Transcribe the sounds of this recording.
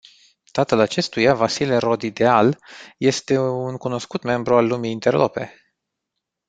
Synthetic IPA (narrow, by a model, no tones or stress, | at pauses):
t̪at̪əlat͡ʃe̞st̪ujavasileɾo̞d̪id̪e̞alje̞st̪e̞unkuno̞skut̪me̞mbɾualːumiːnt̪erlope̞̰